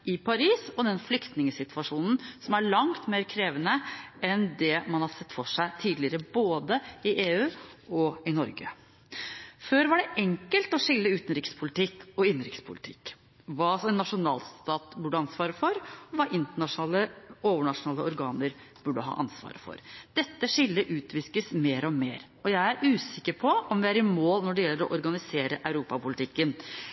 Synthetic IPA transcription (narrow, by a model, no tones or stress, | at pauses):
ɪpʰɑɾiːsɔd̪ɛnflʏkt̪nɪŋəsɪt̪ʰʋɑʂuːnn̩sɔmæɭɑŋt̪meːɾkʰɾeːʋənəʔɛnd̪ɛmɑnhɑsɛt̪ːfɔʂæɪt̪ʰiːd̪lɪəɾəboːd̪əɪʔeːʉːɔɪnɔɾɡə̰ | føːɾʋɑɖɛʔɛŋkəlt̪ɔʂɪlːəʉːt̪n̩ɾɪkspʰʊlɪt̪ʰɪkːɔɪnɾɪkspʰʊ̰lɪt̪ʰɪ̰kː | ʋɑːsɛnːɑʂʊnɑːlst̪ɑːt̪bʉɖːəɑnsʋɑːɾəfɔɾɔʋɑːʔɪnt̪əɳɑʂʊnɑːləoːʋəɳɑʂʊnɑːləɔɾɡɑːnəɾ | b̥ʉɖəɦɑ̰ːʔɑ̰nsʋɑ̰ːɾəfɔ̰ɾd̪̥ɛt̪ːəʂɪlːəʔʉːt̪ʰʋɪskəsmeːɾɔmeːɾ | ɔjæɪæɾʉːsɪkːəɾpʰɔɔmʋɪæɾɪmoːlnɔɖɛjɛlːəɾɔʔɔɾɡɑnɪseːɾəʔɑʉɾuːpɑpʊlɪt̪ʰɪkːən